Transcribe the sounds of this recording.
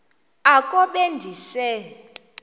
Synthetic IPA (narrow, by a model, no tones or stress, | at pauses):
akʼɔɓendʱisɛ